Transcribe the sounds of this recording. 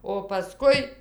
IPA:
oː pɐˈskʊɪ

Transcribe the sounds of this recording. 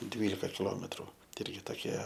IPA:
ˈdʲʋʲiːlʲɪkɐ kʲɪˈlˠoːmʲɛtrʊ tʲɪ ˈɪrʲɡʲɪ toːˈkʲiɛ

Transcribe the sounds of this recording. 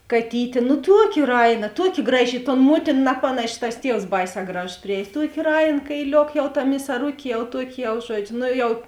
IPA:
kɐˈtʲiːtʲeː nʊ ˈtuɔˌkʲɪ ˈrɐɪˌnɐ ˈtuɔˌkʲɪ ˈɡrɑːˌʒʲɪ ɪ toːn ˈmuɔtʲɪn ˈnɑːpɐnɐʃʲɪ tɐs ˈtʲiɛws ˈbɐɪˌsʲɛː ˈɡrɑːʒoːs pʲrʲɪˈɛːjs ˈtuɔkʲeː ˈrɐɪn kɐɪˈlʲoːk jɛʊ tɐ mʲɪsɐˈrʊkʲeː jɛʊ ˈtuɔkʲɪ jɛʊ ˈʒuɔd͡ʒʲʊ ˈnoː ˈjɛʊ

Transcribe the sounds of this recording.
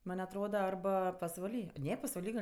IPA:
ˈmɐnʲ ɐtˈroːdɐ ɐrˈbɐ pɐsʋɐˈlʲiː ˈnʲɛ pɐsʋɐˈlʲiː ɡɐlʲ

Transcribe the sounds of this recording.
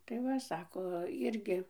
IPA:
tɐɪ ˈʋɐ ˈsɑːkoː ˈɪrʲɡʲɪ

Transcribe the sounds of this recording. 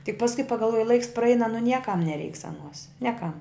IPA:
tʲɪk pɐsˈkʊɪ pɐɡɐlˠˈʋuɔjɪ lˠɐɪks prɐˈɛɪnɐ nʊ ˈnʲiɛkɐm nʲɛˈrʲɛɪks ɐˈnuɔs ˈnʲiɛkɐm

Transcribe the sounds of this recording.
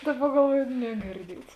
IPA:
ˈdɑːˌbɐ ɡɐlˠˈʋuɔjoː nʲɛɡʲɪrʲˈdʲiɛts

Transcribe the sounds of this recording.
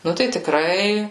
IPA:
ˈnʊ tɐɪ tʲɪˈkrɐɪ

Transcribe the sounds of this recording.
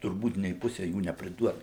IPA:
tʊrˈbuːt nʲeː ˈpʊsʲɛ ˈjuː nʲɛpʲrʲɪˈduɔtɐ

